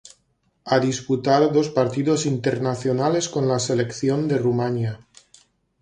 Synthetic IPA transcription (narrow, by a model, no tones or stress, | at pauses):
aðisput̪aðoðo̞spaɾt̪iðo̞sint̪e̞ɾnaθjonale̞sko̞nlase̞lekθjo̞nd̪e̞rumanja